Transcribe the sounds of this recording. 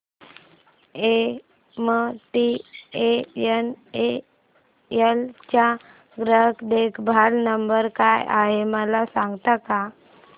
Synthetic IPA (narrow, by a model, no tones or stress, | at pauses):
e | məʈiejəne | əlt͡ɕa | ɡɾəɦəkʰd̪ekʰbʱalnəmbəɾkajʔa̰ɦeməlasãŋɡt̪aka